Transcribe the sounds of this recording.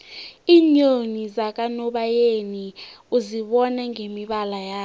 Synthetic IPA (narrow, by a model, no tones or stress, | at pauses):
iːɲonizak̬ʼanɔɓajeniuziɓɔnɛŋemiɓalajaː